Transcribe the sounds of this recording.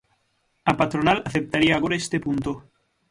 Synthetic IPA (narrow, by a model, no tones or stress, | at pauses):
apat̪ɾonalaθep̚t̪aɾiaːɣoɾaest̪epunt̪o